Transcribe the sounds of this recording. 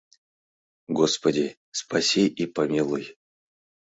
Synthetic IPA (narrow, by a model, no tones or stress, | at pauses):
ɡospədʲɪ | spɐsʲiʔipɐmʲilˠuj